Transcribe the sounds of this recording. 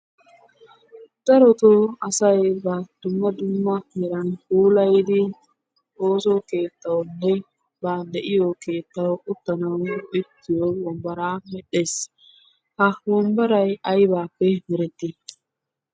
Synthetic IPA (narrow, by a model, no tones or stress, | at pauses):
d̪̥ɐɾɔt̪oɐsɐjbɐd̪̥ʊmːɐd̪ʊmːɐɛɾɐnhuːlɐjd̪ɪ | oːsɔke̞ːt̪ːɐwnːɛ | baːd̪ɛʔɪjoke̞ːt̪ːɐwʊt̪ːɐnɐwɪt̪ʰːɪjowɔmbɐɾaːmɛɗːe̞ːs | hɐwɔmbɐɾɐjɐjbaːpːɛmɪɾɛt̪ːɪ